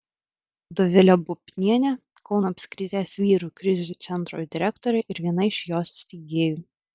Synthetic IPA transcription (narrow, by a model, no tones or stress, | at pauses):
d̪ɔʋʲɪlʲoːbʊpʲnʲiɛnʲɛ | kɒʊnoːpʲsʲkʲɾʲɪt̪ʲeːsʋʲiːɾuːˑkɾʲɪzʲzʲuːt̪sʲɛnt̪ɾṵːjd̪ʲɪɾʲɛkt̪ɔɾʲɛɪʔɪɾʋʲiɛnɐɪʃjoːsʲsʲt̪ʲiɡʲeːjuː